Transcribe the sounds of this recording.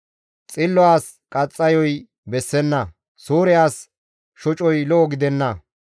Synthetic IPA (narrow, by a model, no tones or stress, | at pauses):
t͡sʼɪlːɔaːs | kʼɐt͡sʼːɐjɔj | bɛsːɛnːɐ | soːɾɪjaːs | ʃɔt͡ʃʼɔjlɔʔɔɡɪd̪ɛnːɐ